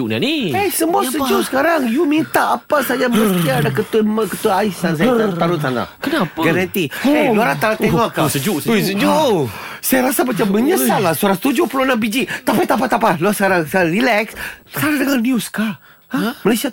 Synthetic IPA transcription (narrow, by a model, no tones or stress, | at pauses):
uʔna̰niajsəmuasəd͡ʒuʔsə̥kaɾaŋjumint̪aapasad͡ʒaməlasiaːdakət̪mkət̪uaaisansat̪anʊt̪ana̰kənapaɡaɾant̪ieluaɾat̪anaeŋɔʔkːasəd͡ʒuʔsəəd͡ʒu | sajaɾasabat͡ʃamːəɲəsalasuɾanst̪ud͡ʒʊpulonambid͡ʒit̪apajt̪apat̪apalɔsəkaɾaŋsarilɛksskaɾadəŋaniuska | amalajsia